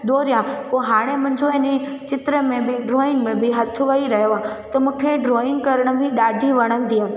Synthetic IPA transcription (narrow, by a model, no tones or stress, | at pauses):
d̪oːɾɪjãkoɦaːɽ̃emɐ̃ɲd͡ʑoɛni | t͡ɕɪt̪ɾemẽbɪɖɾoːɪnmẽbɪɦɐt̪ʰʊʋɐiɾɐɦjoa | t̪ɐmũːkʰeɖɾoːɪŋkɐɾəɽ̃ə̆bʱɪɗaːɖʱiʋɐɽ̃ən̆d̪iaː